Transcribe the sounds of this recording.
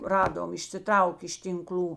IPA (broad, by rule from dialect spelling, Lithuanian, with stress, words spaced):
ˈrɑːdoːm ɪʃʲsʲɪˈtrɐʊkʲeː ɪʃ tʲɪŋˈklʲuː